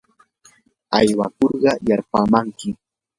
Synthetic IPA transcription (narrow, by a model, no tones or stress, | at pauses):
ajwa̰koɾɢɑjaɾpamaŋkɪ